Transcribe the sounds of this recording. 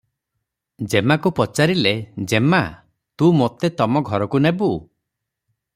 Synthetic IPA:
d͡ʒemakupɔt͡ʃaɾiled͡ʒema | t̪umot̪et̪ɔmɔɡʱɔɾɔkunebu

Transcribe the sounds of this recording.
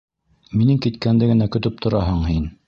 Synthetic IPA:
minɘŋkit̪kænd̪ɘɡɘ̆nækɵ̆t̪ɵp̚t̪ʰŏɾɑɦɤɴhin

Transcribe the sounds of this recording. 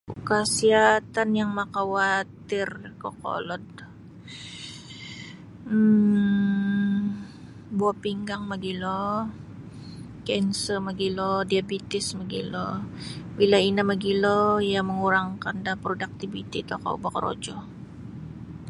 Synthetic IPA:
kasiat̪anjaŋmakawat̪ɪrkoko̰lɔd | buapiŋɡaŋmaɡilɔ | kɛnsəmaɡilɔdiabit̪ɪsmaɡḭlɔ | wilainamaɡilɔjaməŋuɾaŋkandanpɾodak̚t̪ibit̪it̪oka̰ṵbakɾo̰d͡ʒɔ

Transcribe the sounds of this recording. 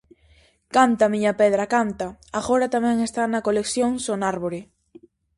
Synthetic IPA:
kant̪amiɲapeð̞ɾakant̪aaɣoɾat̪amẽŋest̪anakoleksjõŋsonaɾβoɾe

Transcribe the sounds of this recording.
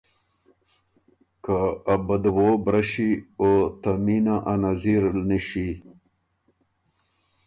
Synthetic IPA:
kaːbad̪wobɾaɕiot̪aminaʔanaziɾlniɕi

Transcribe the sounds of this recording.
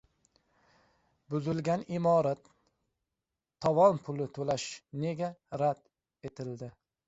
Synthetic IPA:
bʊzɪlɡʲanɪmɒɾat̪ | ɒvɒnpʰʊlɪt̪ʰolaʃne̞ɡʲaɾad̪̥ | e̞t̪ʰɪld̪ɪ

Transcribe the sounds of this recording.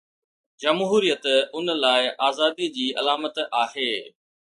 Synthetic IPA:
d͡ʑɐmɦuːɾijət̪ʊnəlaːɪʔaːzaːd̪id͡ʑiːʔɐ̰laːmət̪aːɦeː

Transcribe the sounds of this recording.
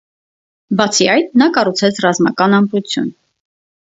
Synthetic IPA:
bɑt͡sʰiɑjt̪nɑkɑrut͡sʰɛt͡sʰrɑzmɑkɑnɑmput͡sʰjṵn

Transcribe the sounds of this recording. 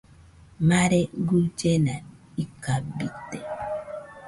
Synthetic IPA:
maɾeɡud͡ʒena | ikabit̪e

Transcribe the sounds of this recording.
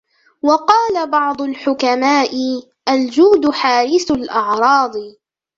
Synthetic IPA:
wɑqɑːlabɑʕd̪ˤʊlħʊkamaːʔɪ | ʔald͡ʒuːd̪ʊħaːɾɪθʊlʔɑʕɾˤɑːd̪ˤɨ

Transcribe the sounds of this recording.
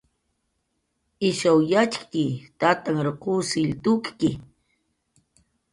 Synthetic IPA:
ɪʃawjat͡ʃkkɪt̪at̪aŋɾoqusɪʎt̪ʊkkɪ

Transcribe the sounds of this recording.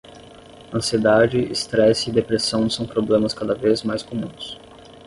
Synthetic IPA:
ɐ̃sied̪ad͡ʒɪɪ̰st̪ɾɛsid̪epɾesɐ̃w̃sɐ̃w̃pɾoblẽmɐskad̪ɐvezmajskomũs

